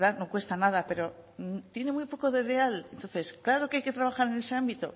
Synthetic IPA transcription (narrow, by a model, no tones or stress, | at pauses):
ðano̞kwe̞st̪anaðape̞ɾo̞t̪je̞ne̞mwujpo̞ko̞ðerealent̪o̞nθe̞sklaɾo̞kajke̞t̪ɾaβaxaɾe̞ne̞se̞ambit̪o̞̰